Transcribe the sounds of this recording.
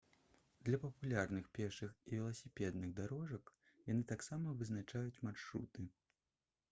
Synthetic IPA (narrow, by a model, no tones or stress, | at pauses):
d̪lʲɐpɐpulʲarnɨxpʲɛrʂɨxivʲɛlˠɐsʲipʲɛd̪nɨɣd̪aɾɔʐɐk | janɨt̪aksamɐvɨznat͡ʂajut͡sʲmarʂɾṵt̪ɨ